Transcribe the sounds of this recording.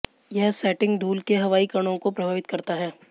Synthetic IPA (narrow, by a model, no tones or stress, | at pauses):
jɛɦsɛːʈɪ̃ŋɡɖ̪ʱuːlkeɦɐʋaːikɐɽ̃õkopɾɐbʱaːʋɪt̪̚kɐɾt̪aɦɛː